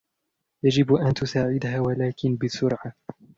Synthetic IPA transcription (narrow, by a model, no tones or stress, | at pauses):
jad͡ʒɪbʔant̪ʊsaːʕɪd̪haːwalaːkɪnbɪsʊɾʕa